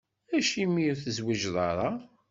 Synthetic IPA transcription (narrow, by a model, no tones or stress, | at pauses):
æʃimːiθəzwiʒðˤɑɾˤɑ